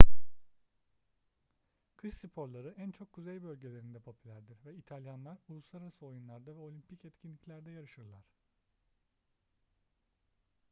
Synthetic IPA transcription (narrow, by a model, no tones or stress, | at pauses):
kʰɯʃsipʰo̞ɾlˠaɾɯʔænt͡ʃʰo̞kʰːuzejbølʲɟe̞lʲe̞ɾind̪ɛpʰo̞pʰylʲæɾd̪iɾvɛit̪ʰalʲjanlˠaɾulˠusˠaɾaɾasɯo̞junlˠaɾd̪avɛo̞lʲimpʰicɛt̪cʰinlʲicʲlʲæɾd̪ɛjaɾɯʃɯɾlˠaɾ̝̥